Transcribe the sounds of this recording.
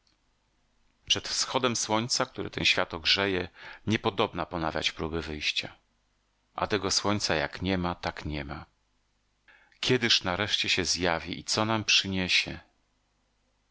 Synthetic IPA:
pʂɛt̪fsxɔd̪ɛmswɔɲt̪sak̚t̪uɾɘ̰t̪ɛ̰nɕfʲjat̪ɔɡʐɛjɛɲɛpɔd̪ɔbnapɔnavʲja̰t͡ɕpɾubɘvɘjɕt͡ɕa̰ | ʔa̰t̪ɛɡɔswɔɲʲt̪sajakɲɛmat̪akɲɛma | kʲɛd̪ɘʂnaɾɛʂt͡ɕɛɕɛzjavʲḭʔit̪sɔnampʂɘɲeɕɛ

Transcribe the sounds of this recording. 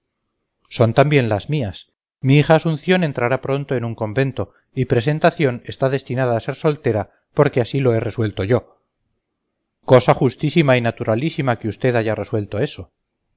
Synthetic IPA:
so̞nt̪ambje̞nlazmias | miixaːsunθjo̞nent̪ɾaɾapɾo̞nt̪oe̞nuŋko̞mbe̞nt̪o̞ | ipɾe̞se̞nt̪aθjo̞ne̞st̪aðe̞st̪inað̞aːse̞ɾso̞lt̪e̞ɾa | po̞ɾke̞asilo̞e̞re̞swe̞lt̪o̞ʝo̞ | ko̞saχust̪isimainat̪uɾalisimakeust̪e̞ðaʝare̞swe̞lt̪o̞e̞so̞

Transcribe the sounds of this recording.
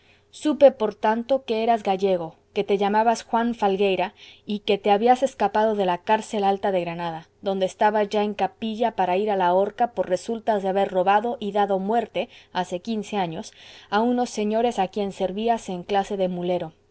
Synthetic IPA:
supe̞po̞ɾt̪ant̪o̞ke̞e̞ɾazɣaʝe̞ɣo̞ke̞t̪e̞ʝamaβasxwaɱfalɡe̞jɾaike̞t̪e̞aβiase̞skapað̞o̞ðe̞lakaɾse̞lalt̪aðe̞ɣɾanaða | ðo̞nd̪eːst̪aβazʝae̞ŋkapiʝapaɾaiɾalao̞ɾkapo̞ɾre̞sult̪azðeaβe̞ɾro̞βaðo̞ʔiðaðo̞mwe̞ɾt̪e̞ase̞kinse̞aɲo̞sauno̞sːe̞ɲo̞ɾe̞sakje̞nse̞ɾβiase̞ŋklase̞ðe̞mule̞ɾo̞

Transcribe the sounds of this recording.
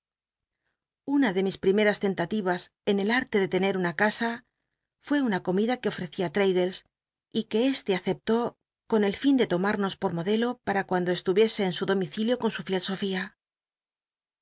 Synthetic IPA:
unaðe̞mispɾime̞ɾast̪e̞nt̪at̪iβ̞as | e̞ne̞laɾt̪e̞ðe̞t̪e̞ne̞ɾunakasa | fwe̞unako̞miðake̞o̞fɾe̞θiat̪ɾejðe̞ls | ike̞est̪e̞aθe̞p̚t̪o̞ | ko̞ne̞lfind̪e̞t̪o̞maɾno̞spo̞ɾmo̞ðe̞lo̞paɾakwand̪o̞est̪uβje̞se̞ːnsuðo̞miθiljo̞ko̞nsufje̞lso̞fia

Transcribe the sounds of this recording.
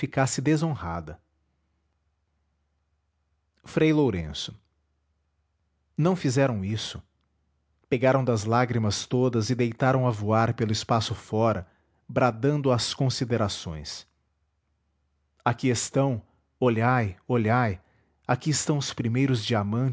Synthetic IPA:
fikasɪd̪ezõhad̪ɐ | fɾejloɾḛ̃sʊ̥ | nɐ̃w̃fizɛɾɐ̃w̃isʊ̥ | peɡaɾɐ̃w̃d̪ɐzlaɡɾimɐst̪od̪ɐzɪd̪ejt̪aɾɐ̃w̃ɐvuaɾpelʊɪspasʊfɔɾɐ | bɾad̪ɐ̃nd̪ʊɐskõsid̪eɾasõ̰j̃s | akiest̪ɐ̃w̃ | oʎajoʎaj | akiɪst̪ɐ̃w̃ʊspɾimejɾʊzd͡ʒiamɐ̃

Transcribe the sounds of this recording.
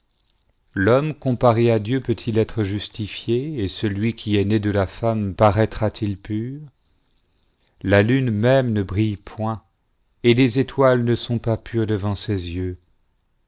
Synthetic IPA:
lɔmkɔ̃paʁead̪jøpøt̪ʰilɛt̪χəʒyst̪ifjeesəlɥikʲiɛned̪əlafampaʁɛt̪χat̪ʰilpyːʁ | lalynmɛmnəbʁijpʰwɛ̃ | elezet̪walnəsɔ̃papyʁd̪əvɑ̃sezjø

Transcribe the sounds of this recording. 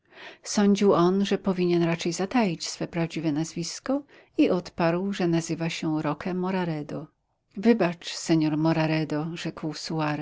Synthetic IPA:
sɔɲd͡ʑiwɔnʐɛpɔvʲiɲɛnɾat͡ʂɛjzat̪ajit͡ɕsfɛpɾavd͡ʑivɛnazvʲiskɔ | iʔɔt̪paɾwʐɛnazɘvaɕɛɾɔkʰɛmːɔɾaɾɛd̪ɔ | vɘbat͡ʂsɛɲɔɾmɔɾaɾɛd̪ɔʐɛkwsuaɾɛ

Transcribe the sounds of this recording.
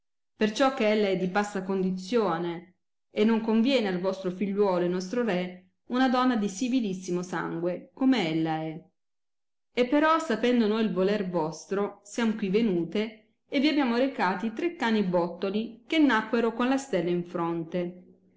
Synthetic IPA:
pert͡ʃɔk̟ːeelːaɛd̪ːibast̪akond̪it̪sːjoːne | enːoŋkoɱvjɛːnealvɔst̪ɾofiʎːwɔːlonɔst̪ɾoɾɛ | unad̪ɔnːad̪isivilisːimosa̰ŋɡwekomeelːaɛ | epːeɾɔsapɛnd̪onoːjilvolervɔst̪ɾosjamokwivːenuːt̪eː | vːiabːjaːmoɾekaːt̪it̪ɾekːaːnibɔt̪ːolikenːakːweɾokonlast̪ɛlːaiɱfɾont̪e

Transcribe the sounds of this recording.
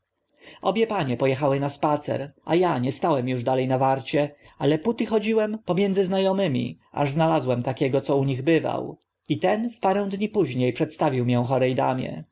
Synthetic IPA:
ʔɔ̰bʲjɛpaɲɛpɔjɛxawɘnaspat̪sɛ̰ɾʔa̰jaɲɛst̪awɛmjuʐd̪alɛjnavaɾt͡ɕɛ | alɛput̪ɘxɔd͡ʑiwɛmpɔmʲjɛndzɘznajɔmɘmʲḭ | a̰ʐznalazwɛmt̪akʲɛɡɔt̪sɔuɲiɣbɘva̰w | it̪ɛnfpaɾɛ̃w̃d̪ɲipuʑɲejpʂɛt̪st̪avʲiwmʲjɛ̃w̃xɔɾɛjd̪a̰mʲɛ̰

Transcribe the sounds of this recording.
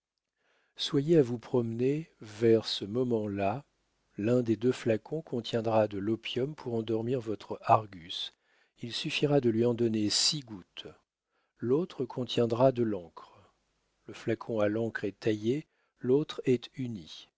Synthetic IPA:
swajeavupχɔmnevɛʁsəmɔmɑ̃la | lɛ̃d̪ed̪øflakʰɔ̃kʰɔ̃t̪jɛ̃d̪ʁad̪əlɔpjɔmpʰuʁɑ̃d̪ɔʁmiʁvɔt̪χəaʁɡʲys | ilsyfiʁad̪əlɥiɑ̃d̪ɔnesiɡut̪ | lot̪χəkʰɔ̃t̪jɛ̃d̪ʁad̪əlɑ̃kχ | ləflakʰɔ̃alɑ̃kχɛt̪aje | lot̪χɛt̪yni

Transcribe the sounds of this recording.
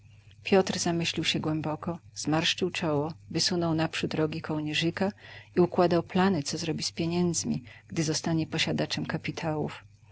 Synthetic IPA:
pʲjɔt̪ɾzamɘɕlʲiwɕɛɡwɛmbɔkɔz̥maɾʂt͡ʂɘwt͡ʂɔwɔvɘsunɔwnapʂut̪ɾɔɡʲikʰɔwɲɛʐɘkaiukwad̪awplanɘt̪sɔzɾɔbʲispʲjeɲɛnd̪zmʲḭɡ̥d̪ɘzɔst̪aɲɛpɔɕad̪at͡ʂɛmkapʲit̪ʰawuf

